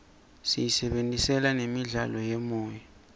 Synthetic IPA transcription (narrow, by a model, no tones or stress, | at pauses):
sḭjisɛɓentʼisɛlanemiɮalɔjemɔːja